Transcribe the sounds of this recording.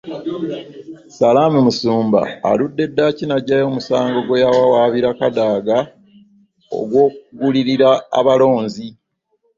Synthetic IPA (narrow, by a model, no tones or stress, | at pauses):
salaːmumusuːmba̰ːludːe̞dːacinaɟːajo̞ːmusaːŋɡo̞ɡwejawawaːβiɾakadaːɡa | o̰ɡwo̞ːk̚uɡuliɾiɾa̰ːβalo̞ːnzi